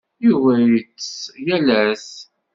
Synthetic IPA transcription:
juvæjət͡sːsjælæs

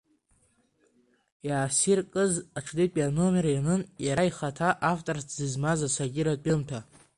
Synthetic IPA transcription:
jaːsirkʼɨzaʈ͡ʂʰdipʼano̞merjanɨnjaɾaiχatʰaʔaftʼorsʰzɨzmazasaɡʲɪɾat͡pʼɪmtʰa

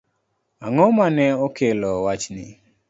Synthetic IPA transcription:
aŋɔmanɛokelɔwat͡ʃnɪ

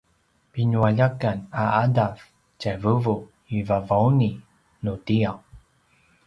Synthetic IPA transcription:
piɲuaʎakanaadav | cavəvu | ivavauni | nutijaw

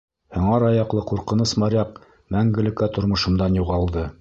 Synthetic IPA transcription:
hŏɴɑɾɑjɑqlˠɤquɾqɤ̆nɤsmɑɾʲɑq | mæŋɡɘ̆lɘ̆kæt̪ŏɾmŏʃɤ̆md̪ɑnjuʁɑlˠd̪ɤ

